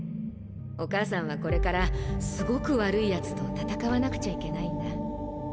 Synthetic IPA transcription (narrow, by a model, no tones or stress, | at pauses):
o̞kaːsãɰ̃β̞ako̞ɾe̞kaɾasɨɡo̞kɯ̟βaɾɯ̟ijat͡sɨ̥t̪o̞t̪at̪akaβanakɯ̟̥t͡ɕaike̞naĩnd̪a